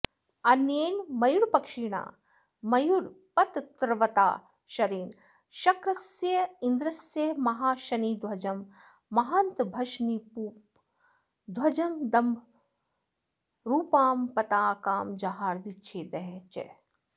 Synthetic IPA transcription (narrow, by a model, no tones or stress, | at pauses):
ɐnjeːnmɐjuɽpɐkʃiɽa̰ː | mɐjuɾ | pɐt̪t̪ɾʋɐt̪a̰ː | ʃɐɾiːn | ʃɐkɾɐsjɐind̪ɾɐsjɐmɐɦaːʃɐnid̪ʱwɐd͡ʒɐmː | ɐɦɐnt̪bʱɐʃnipuː | d̪wɐd͡ʒɐmd̪ɐm | ɾuːpaːmpɐt̪aːkaːmd͡ʒɐɦaːɾʋit͡ʃʰeːd̪ɐɦɛt͡ʃḛ